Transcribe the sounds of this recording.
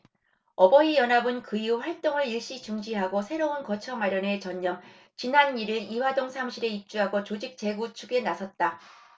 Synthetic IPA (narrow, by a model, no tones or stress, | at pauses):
ʌbʌijʌnabɯnkɯiuɸwaɭt͈oŋɯɭiɭɕ͈it͡ɕuŋd͡ʑiɦaɡosʰe̞ɾounkʌt͡ɕʰʌmaɾjʌne̞t͡ɕʌɲːʌm | t͡ɕinaniɾɯiwadoŋsʰamɕʰiɾe̞ip̚t͡ɕ͈uɦaɡot͡ɕod͡ʑik̚t͡ɕ͈e̞ɡut͡ɕʰuɡe̞nasʰʌt̚t͈a